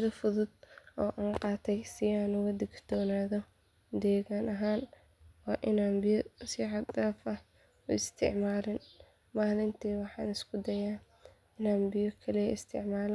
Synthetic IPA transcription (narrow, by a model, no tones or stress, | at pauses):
ðɐfʊðʊd̪ʔɔːʔɐnqɑːt̪ʰɛjsɪaːnʊɣɐd̪ɪɡd̪̥ʰɔːnaːðɔ | d̪ɛːɣaːnɐɦaːn | wɑːʔɪnaːnbɪjɔsɪʕɑd̪ɐːfɐ | ʊ̰ɪst̪ʰɪ̰ʕmaːlɪn | maːlɪnt̪ʰiːwɑħɑ̰ːnɪskʰʊd̪ɐjaː | ɪnaːnbɪjɔkʰɐlɛɪst̪ʰɪ̰ʕmaːl